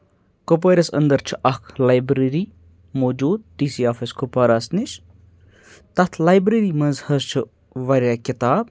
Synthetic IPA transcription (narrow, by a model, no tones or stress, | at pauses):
kop̬ɐɾʲɐsɐ̰nd̪ɐɾt͡ʃʰi̥ʔɐkʰlajbɾeɾiː | moːd͡ʒuːd̪̚t̪isiaːfɐskopɐɾɐsniʃ | t̪ɐt̪ʰlaːjbɾeɾiːmɐnzhɐst͡ʃʰu | ʋɐɾʲjaːkit̪aːb